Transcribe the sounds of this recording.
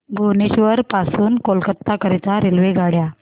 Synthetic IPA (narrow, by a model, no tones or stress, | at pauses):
bʱoneɕʋəɾpasuːnkolkət̪ːakəɾit̪aɾelʋeɡʱaɽja